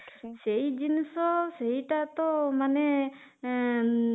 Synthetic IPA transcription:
seid͡ʒinsɔseɦiʈat̪ɔmanɛ

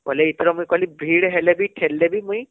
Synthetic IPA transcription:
kɔlɛit̪ʰɾɔmujkɔlibʱiɽɦɛlɛbiʈʰɛlːɛbimuj

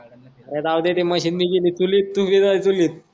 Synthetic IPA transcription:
ɾet̪aʋd̪et̪eməɕiːnmiɡiliːt͡suliːt̪ːufid͡zait͡suliːt̪̚

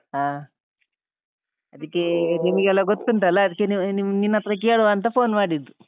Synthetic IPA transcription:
ɦaː | ɐd̪ikːenimɐɡeɛlːaɡot̪kuɳʈɐlːɐːd̪ikːeninininːɐt̪ɾɐk̬eːɭoʋaːnt̪̬ɐpʰoːnmaːɽid̪ːu

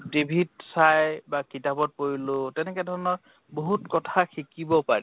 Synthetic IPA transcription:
dibʱitsajbakitabɔt̚poɹilʊtɛnɛkɛdʱɔɹɔnɔɹ | boɦutkɔtʰaxʰikibɔpaɹḭ

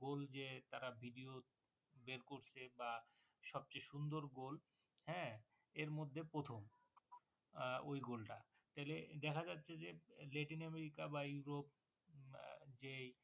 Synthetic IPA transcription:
ɡold͡ʑet̪aɾabʱiɖio | beɾkoɾt͡ɕʰeba | ʃɔb̚t͡ɕeʃund̪oɾɡol | hɛ̃ | eɾmod̪ʱːepɾot̪ʰom | ojɡolʈa̰ | t̪aɦiled̪ɛkʰad͡ʑatːɕʰed͡ʑelɛʈinɛmeɾikabajuɾop̚ | d͡ʑej

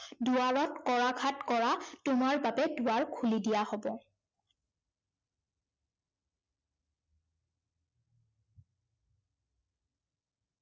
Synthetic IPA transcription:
duaɹɔtkɔɹakʰatkɔɹatʊmaɹbabɛduaɹkʰulidijahobɔ

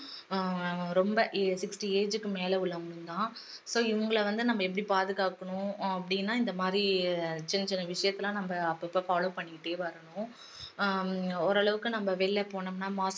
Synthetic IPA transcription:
ɾɔmbɐʔsɪksʈieːd͡ʒɯkːɯmeːlɛʊɭːɐŋɡɐɳɯ̃mt̪ãː | soːɪʋɐŋɡɐɭʋɐnd̪ɯnɐmːbɐɛp̬ːɐɽipaːðɯɣaːkːɐɳʊ̃ɐpːɐɽɪnːaːɪnd̪ɐmaːd̪ɾit͡ʃɪnːɐt͡ʃɪnːɐʋɪʂɐjɐt̪ːɪlãːnɐmbɐɐpːɐɪpːɐːfaːloːpɐɳːɪkɪʈːeːʋɐɾɐɳʊ̃ | ɔɾɐɭɐʋɯkːɯnɐmbɐʋeːlːɛpoːɳɐmnaːmaːs

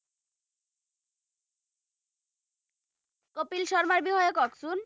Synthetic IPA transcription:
kopilʃɔɾmaɾbiɦɔjokɔksun

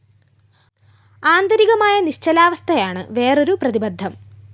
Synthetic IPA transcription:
aːnd̪ɐɾiɣɐmaːjɐniɕt͡ɕɐlaːʋɐst̪ʰɐjaːɳɨ̰ʋe̞ːro̞ɾuprɐðibɐd̪ʱːɐm

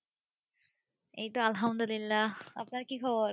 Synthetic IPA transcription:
ḛjt̪oalɦamd̪ulilːaapnaɾkikʰɔboɾ

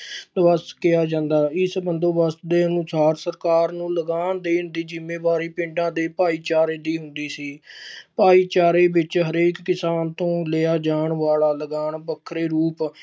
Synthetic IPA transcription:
d̪ʋəskɪjaːd͡ʒãːnd̪aːɪsbənd̪õːbəsd̪eːənʊsaːɾsəɾkaːɾnũːləɡaːnd̪eːɦʊnd̪iːd͡ʒɪmːẽːbaːɾiːpɪ̃ɳɖãːd̪eːpaːiːt͡ʃaːɾeːd̪iːɦʊ̃nd̪iːsiːpaːiːt͡ʃaːɾeːbɪt͡ʃɦəɾeːkːɪsaːnt̪õːleaːd͡ʒaːɳʋaːlaːləɡaːɳbəkʰːɾeːɾuːp

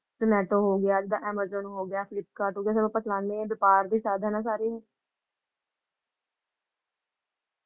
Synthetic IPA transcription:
sənɛːʈoːɦoːɡɪjaːd͡ʒɪd̪aːʔɛːməɾzə̃nɦoːɡɪjaːpʰɪlɪp̚kaːɾʈɦoːɡɪjaːs̬ənõːpəslãːnd̪eːʋɪpaːɾd̪iːsaːd̪ʱaːnãːs̬aːɾiːɦɛː

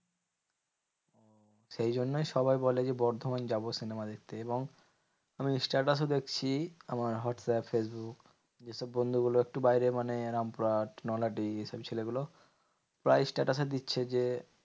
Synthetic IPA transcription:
o | ʃejd͡ʑonːojʃɔbajbɔled͡ʑebɔɾd̪ʱomand͡ʑabosinemad̪ek̚t̪eeboŋ | amisʈaɾʈas̬od̪ekt͡ɕʰiamaɾɦɔʈsɛpfes̬buk | d͡ʑeʃɔbːond̪ʱuɡuloek̚ʈubajɾemaneɾampuɾaʈnɔlaʈ̬ieʃabt͡ɕʰeleɡulo | pɾajsʈaʈased̪itːɕʰed͡ʑe

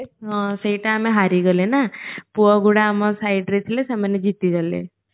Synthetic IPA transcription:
ɦɔ̃seiʈaːmeɦaɾiɡɔlenapuɔɡuɽaːmɔsajɖɾet̪ʰilesamaned͡ʒit̪iɡɔlḛ

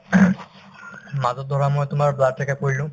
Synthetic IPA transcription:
mazɔt̚d̪ʱɔɹamɔjt̪ʊmaɹbaɹt̪ʰɛkakoɹilʊ̃

